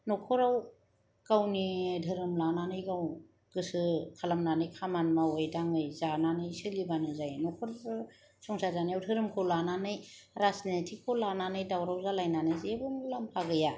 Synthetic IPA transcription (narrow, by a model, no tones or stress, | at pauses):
nɔkʰɔɾaw | kawnidʱɯɾɯmlananɯjɡaw | ɡ̥ɯsɯkʰalamnanɯjkʰamanmawajdaŋɯjzananɯjsɯlibanɯzajnɔkʰɔɾ | sɔŋsazanijawtʰɯɾɯmkʰɔlananɯjɾasnetʰikʰɔlananɯjdawɾawzalajnanɯjzebɯmulampʰaɡɯja